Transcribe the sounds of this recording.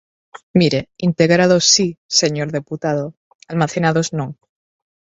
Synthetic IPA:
miɾeint̪e̞ɣ̞ɾaðosise̞ɲoɾðeput̪að̞o | almaθe̞nað̞oznõŋ

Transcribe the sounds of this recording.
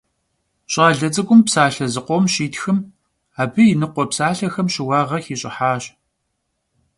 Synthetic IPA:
ɕʼaːɮɐt͡sʼɨɡʷʊmpsaːɬɐzɨqʷɔmɕiːtxɨm | aːbɨjɪnɨqʷɔpsaːɬɐxɐmɕɪwɑːʁɐxiːɕʼɪ̰ħaːɕ

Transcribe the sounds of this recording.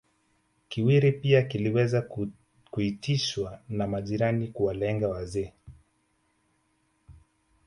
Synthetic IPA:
kiwiɾipiakiliwɛza | kuitiʃwanamaʄiɾanikuwalɛŋɡawazɛː

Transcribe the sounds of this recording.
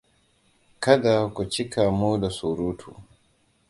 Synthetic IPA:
kaɗakut͡ʃikamuːɗasuɾuːtʰṵ

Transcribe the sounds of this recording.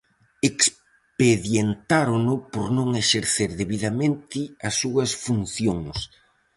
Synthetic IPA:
eks | peðjent̪aɾʊnʊpoɾnõŋeʃeɾθeɾðeβiðamẽnt̪ɪɐsːuɐsfunθjoŋs

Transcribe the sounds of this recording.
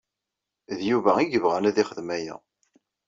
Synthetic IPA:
ðjuvæiʝəvʁænæðiχəðmæjæ̰

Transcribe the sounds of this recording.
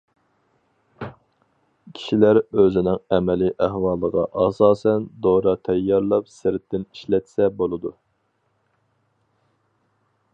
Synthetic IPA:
kʲʰi̥ʃilæɾøzɪnɪŋɛmɛlɪʔæhwɑːlˠəʁɑ̰ʔɑsɑːsɛnd̪oɾɑt̪ʰɛjːɑɾlˠɑpsɪɾɪt̪ʰːɪniʃlɛt̪sɛbolˠɨd̪u

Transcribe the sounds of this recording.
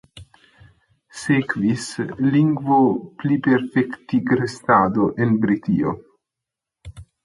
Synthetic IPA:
sekvisliŋɡvoplipeɾfekt̪iɡɾest̪ad̪oʔenbɾit̪ḭo̰

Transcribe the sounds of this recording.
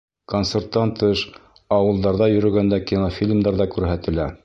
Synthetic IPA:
konsert̪ːɑnt̪ɤʃ | ɑwɤ̆lˠd̪ɑɾðɑjɵ̆ɾɵ̆ɡænd̪ækʲinofʲilʲmd̪ɑɾðɑkʉɾɦæt̪ɘ̆læ

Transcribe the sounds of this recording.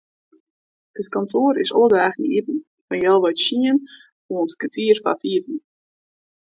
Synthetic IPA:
ətkɔntʰoːɾɪsɔlˠədaːxnḭʔitn̩ | fanjɛlˠʋɔjtʃiən | foːəntkətʰiərfa̰fiətn̩

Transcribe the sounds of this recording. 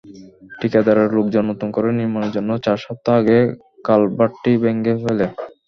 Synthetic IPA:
ʈikad̪aɾaɾlokd͡ʑonːot̪omkoɾeniɾmaneɾd͡ʑonːot͡ɕaɾʃɔp̚t̪ːoaɡe | kalbaʈʈibeŋɡefele

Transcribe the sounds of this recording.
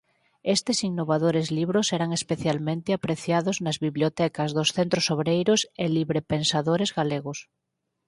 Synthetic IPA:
est̪esinːoβaðoɾezliβɾosɛɾaŋespeθjalmẽnt̪eapɾeθjaðoznazβiβljot̪ɛkazðosθent̪ɾosoβɾejɾoseliβɾepẽnsaðoɾezɣaleɣos

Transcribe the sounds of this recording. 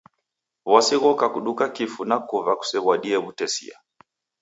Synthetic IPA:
wasiɣɔkakuɗukakifunakuvaku̥sɛβaɗiɛβutɛsḭa̰

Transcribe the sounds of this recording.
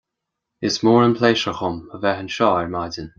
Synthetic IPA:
ɪsmoːɹənpʰleːʃəxʊməvɛɦənʃɔːɛɹmadən

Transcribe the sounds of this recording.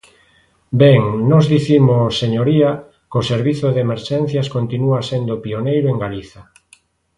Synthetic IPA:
bɛŋnɔzðiθimoseɲoɾia | koseɾβiθoðemeɾʃɛn̟θjaskont̪inuasend̪opionejɾʊeŋɡaliθa

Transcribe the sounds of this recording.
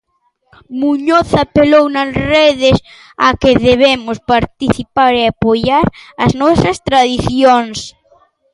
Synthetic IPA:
muɲoθapelownɐsreðɪs | akeðeβemʊspaɾt̪iθipaɾeapojaɾɐznɔsɐst̪ɾaðiθjoŋs

